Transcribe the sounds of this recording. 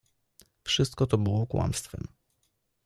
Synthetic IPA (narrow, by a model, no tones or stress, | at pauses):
fʂɘst̪̚kɔt̪ɔbɘwɔkwa̰mst̪fɛ̰m